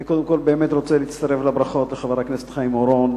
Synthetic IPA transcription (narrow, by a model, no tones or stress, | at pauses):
ikod̪emko̞lbeːmet̪ʁot͡seliit͡st̪aʁeflabʁaχo̞t̪leχavaʁaknesetlχaimoɾon